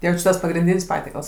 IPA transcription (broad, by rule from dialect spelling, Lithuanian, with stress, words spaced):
ˈjɛʊ t͡ʃʲɪ ˈtɐs ˈpɑːɡrʲɪnʲˈdʲiːnʲsʲ ˈpɑːtʲiɛkɐlˠs